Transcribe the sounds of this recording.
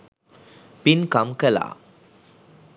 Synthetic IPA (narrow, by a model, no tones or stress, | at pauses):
pinkɐmkɐla̰ː